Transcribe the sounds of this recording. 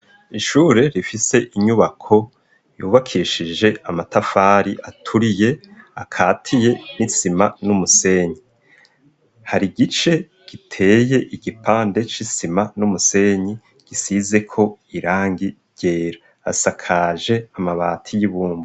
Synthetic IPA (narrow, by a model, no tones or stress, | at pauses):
iʃuːɾe̞ɾifise̞ʔiɲuβakʰo̞ | juːβakʰiʃid͡ʒe̞amatafaːɾiʔatʰuɾije̞ | akʰaːtʰije̞nisimanumuse̞ːɲi | haɾiɡit͡ʃe̞ | ɡ̥itʰe̞ːje̞ʔiɡ̥ipʰaːnde̞t͡ʃisimanumuse̞ɲi | ɡ̥isize̞kʰo̞iɾaːŋɡi | ɟ̥eːɾa | a̰sakʰaʒe̞amaβaːtʰijiβuːmbo